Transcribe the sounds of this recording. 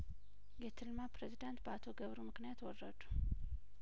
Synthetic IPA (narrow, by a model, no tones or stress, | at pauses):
jɛt̪ʰɨlmapɾezid̪ant̪̚bəat̪ʰoɡəβɾumɨknijat̪wɔrːəd̪u̥